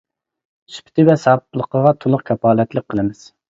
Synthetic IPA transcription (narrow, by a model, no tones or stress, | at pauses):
sy̥pʰɪ̥t̪ʰɪvɛsɑp̚lˠəqəʁɑt̪ʰolˠʊqkʲʰɛpɑːlɛt̪lɪk̚ʲqʰːəlˠɨmɪz̥